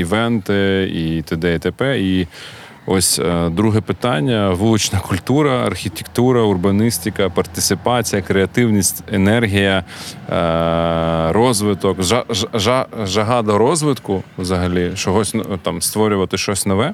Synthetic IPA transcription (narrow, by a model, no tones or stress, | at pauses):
iʋɛnt̪ɪit̪ed̪ɛit̪epɛi | ɔsʲd̪ɾuɦɛpɪt̪ɑnʲːɐʋulˠʊt͡ʃnɐkʊlʲt̪uɾɐɐ̰rxʲit̪ʲekt̪uɾɐʊrbɐnɪsʲt̪ʲɪkɐpɐrt̪ɪt̪sɪpɑt͡sʲijɐkɾeɐt̪ɪwnʲisʲtʲenɛrɦʲijɐ | ɾɔzʋɪt̪ɔkʒɐʒɑʒɐɦɑd̪ɐɾɔzʋɪt̪kʊʋwzɐɦɐlʲit͡ʃɔɦɔsʲnt̪ɑmst̪ʋɔɾʲʊʋɐt̪ɪʃt͡ʃɔsʲnɔʋɛ